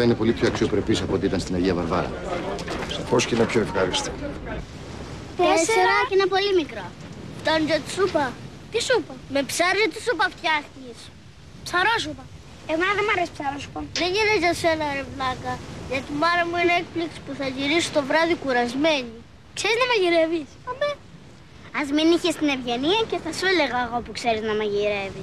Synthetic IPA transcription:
ɐinepo̞lip̪çoɐksio̞pɾepisɐpoot̪iit̪ɐnst̪inɐʝiɐvɐɾvɐ̰ɾɐ̰ | sposceinɐpçoefɣɐɾist̪ik | t̪eseɾɐinɐpo̞limikɾɐt̪ɐnʝɐt̪i̥supɐ | t̪isupɐme̞psɐɾzet̪isupɐft̪çɐxt̪s | psɐɾos̬upɐ | emɐðemɐɾesi̥psɐɾosu̥pɐðeʝinezʝɐsenɐɾevlɐkɐʝɐt̪imɐɾɐmuenɐek̚plikspuθɐʝiɾisu̥t̪o̞vɾɐðikuɾɐzme̞ɲi | kseɾiznɐmɐʝiɾevisɐmbe | ɐzminiçest̪ine̞vʝe̞niɐceθɐseleɣɐɣoopukse̞ɾiznɐmɐʝiɾe̞vis

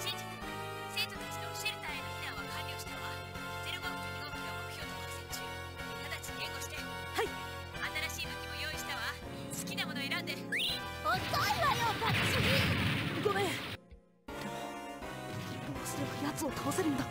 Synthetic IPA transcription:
ɕĩɲd͡ʑit͡s | se̞ːt̪o̞t̪at͡ɕi̥t̪e̞o̞ɕie̞ɾɯ̟t̪aenoit̪ãβakʰãɾʲɾʲioɕi̥t̪aβa | zeɾobaoomʲiɡ̪okʲiamo̞kɯ̟̥çʲjo̞ːt̪ot̪asɨt͡ɕi | k̪ad̪at͡ɕi̥eːɡo̞ɕi̥t̪e | hai | at̪aɾaɕiːbɯ̃kːʲimojo̞ːiɕi̥t̪aβa | sɨ̥kʲinamo̞noe̞ɾãnd̪e̞ot̪oimajot̪at̪aɕiɲʲiɯɡome | d̪̥emo | ioasɨɾebajat͡sɨo̞t̪ʰaβaseɾɯ̟nd̪a

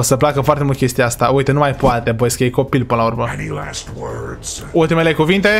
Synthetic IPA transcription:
osəplakəfoart̪emult̪kʲest̪ijaast̪auit̪enumajpoat̪e̞pojeskəjejko̞pilpɨnlaurmənilæ̰stwɜ˞dz̥ | ult̪imele̞kuvint̪e̞

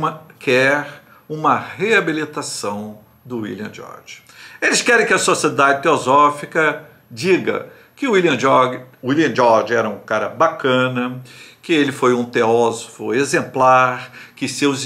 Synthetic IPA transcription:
mɐkʰɛɾ | ũmɐheabilit̪asɐ̃w̃ | d̪ʊwḭliɐ̰̃d͡ʒɔ̰ɾd͡ʒ | elɪskɛɾẽj̃kɪɐsosied̪ad͡ʒɪt̪eozɔfikɐ | d͡ʒiɡɐ̰ | kɪʊiliɐ̃d͡ʒɔwiliɐ̃d͡ʒɔɾd͡ʒɛɾɐũkaɾɐbakɐ̃nɐkɪelɪfojũt̪eɔzofʊezẽmplaɾkɪsew

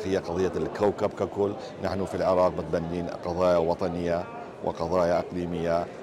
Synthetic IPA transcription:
hɪjːaqɑðˤɨjːalkawkabkakʊlː | naħnufilʕɪɾˤɑːq̚mɪt̪̚banːiːnqɑðˤɑːjawɑt̪ˤɑnɪjːa | wʔɪ̰qɑðˤɑːjaʔɑqliːmɪjːa

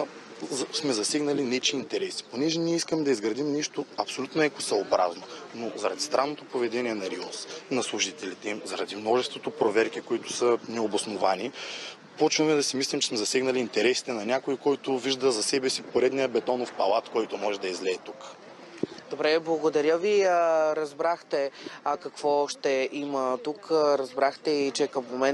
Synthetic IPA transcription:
smɛzɐsɛɡnɐlinɛt͡ʃiːnt̪ɛɾɛsi̥ponɛʒɛniɛiskəmɛd̪ɐizɡɾɐd̪imniʃt̪oɐpsolʲut̪noɛkosɛlˠobɾa̰znonozɐɾɐd̪ist̪ɾanːot̪opovɛd̪ɛniɛnɐɾiosnɐslˠuʒit̪ɛlit̪ɛimzɐɾɐd̪imnɔʒɛst̪vot̪opɾovɛɾkikoit̪ʊ̥sɐnɛobosnovani | pɔt͡ʃvəmɛd̪ɐsimislimt͡ʃɛsmɛzɐsɛɡnɐliːnt̪ɛɾɛsi̥t̪ɛnɐnʲakoikɔjt̪ʊviʒd̪əzɐsɛbɛsipoɾɛd̪nijəbɛt̪ɔnofpɐlˠat̪kɔjt̪omɔʒɛd̪ɐizlɛːt̪uk | d̪obɾɛblˠɐɡod̪ɐɾʲjəviəɾɐzbɾaxt̪ɛakɐkvɔʃt̪ɛʔimət̪ukɾɐzbɾaxt̪ɛit͡ʃɛkɐmmomɛn

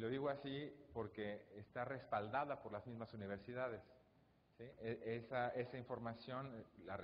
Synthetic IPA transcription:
lo̞ðiɣoasipo̞ɾke̞ːst̪are̞spald̪aðapo̞ɾlazmizmasuniβ̞eɾsiðað̞e̞s | sieesaʔe̞saiɱfo̞ɾmasjo̞nlare

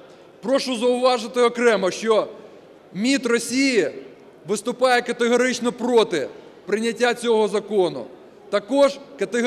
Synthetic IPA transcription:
pɾɔʃʊzɐʊʋɑʒɪt̪ɪɔkɾɛmɐʃt͡ʃɔ | mʲit̪rɔsʲiji | ʋɪst̪ʊpɑjɛkɐt̪ɪɦɔɾɪt͡ʃnɔpɾɔt̪ɪ | pɾɪnʲɐtʲːat͡sʲɔɦɔzɐkɔnʊ̰ | t̪ɐkɔʒkɐt̪e

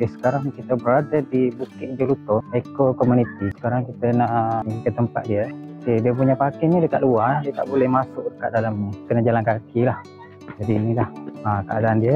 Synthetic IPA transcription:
esə̥kaɾaŋkit̪əbəɾadədibukɪt̪̚d͡ʒulut̪ɔekokɔmunit̪isə̥kaɾaŋkit̪ənaʔʔikəəmpa̰t̪̚diəkediəp̬uɲapakinĩdəkat̪̚luadiət̪a̰ʔbolɛhmasʊk̚dəka̰ʔ̚dalamɲikənad͡ʒalankakʰilah | d͡ʒadiːnĩlahakəadaʔːndiə

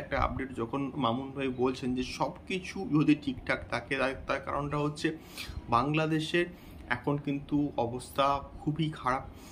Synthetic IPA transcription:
ɛk̚ʈaa̰b̚ɖeʈd͡ʑɔkʰonmamunbʱajbolt͡ɕʰend͡ʑeʃɔbkit͡ɕʰujod̪ʱiʈʰikʈʰaket̪aked̪aek̚t̪aɾka̰ɾonʈaɦotːɕʰe | baŋlad̪eʃeɾ | ɛ̰kʰonkint̪uɔbost̪ʰakʰubikʰaɽap̚

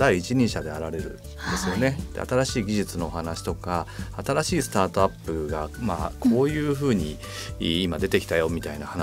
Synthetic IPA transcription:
d̪aiːt͡ɕiɲ̟ĩɰɕad̪e̞aɾaɾe̞ɾɯ̟̰ | nd̪e̞sɨɨjo̞ne̞d̪̥ḛa̰t̪aɾaɕiːɡʲiʑit͡sɨno̞ːhanaɕi̥t̪o̞kaat̪aɾaɕiːsɨ̥t̪aːt̪oapːɯ̟ɡamaːkʰo̞ːjɯ̟ːɸɯ̟ːɲ̟i | imad̪e̞t̪e̞kʲi̥t̪ajo̞mʲit̪ainahan

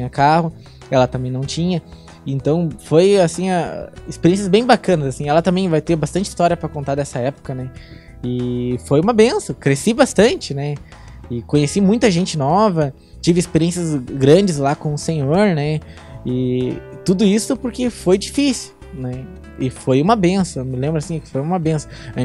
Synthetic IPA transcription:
t͡ʃiɐkaɦʊ | ɛlɐt̪ɐ̃mbẽj̃nɐ̃w̃t͡ʃĩɲɐ | ẽnt̪ɐ̃w̃fojasĩa̰ispeɾiẽs̬jɐzbẽj̃bakɐ̃nɐzasĩɛlɐt̪ɐ̃mbẽj̃vajt̪eɾbast̪ɐ̃nt͡ʃi̥st̪ɔɾiɐpɾɐkõnt̪ad̪ɛsɐɛpʊ̥kɐnɛ | ɪfojũmɐbẽsɐ̃kɾesibast̪ɐ̃nt͡ʃɪnɛ | ɪkõɲesimũj̃t̪ɐʒẽnt͡ʃɪnɔvɐ | t͡ʃivɪispeɾiẽsjɐzɡɾɐ̃d͡ʒɪzlakõʊsẽɲoɾnɛ | ɪt̪ud̪ʊisʊpoɾkɪfojd͡ʒifisɪw | nɛ | ɪfojũmɐbẽsõmɪlẽmbɾʊasĩɛkɪ̥fojũmɐbẽsɐ̃

